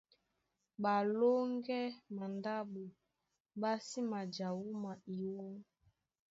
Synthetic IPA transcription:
ba˨lo˦ŋɡɛ˦ma˨nda˦ɓu˨ | ɓa˦si˦ma˨d͡ʒa˨wu˦ma˨i˨wɔ˦

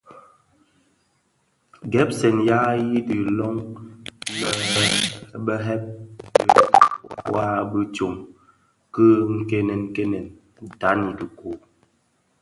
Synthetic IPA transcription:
ɡɛ˨˦p̚sɛ˨nja˦ji˦di˨lɔ˦ŋ˦ | bə˦ɦɛ˦p̚ | wa˦bi˦t͡ʃo˨ŋ | kə˦ŋ̩˦ke˦nɛ˨ŋ̩˨ke˦nɛ˨n˨ | ta˨˦ni˨ki˨ko˨

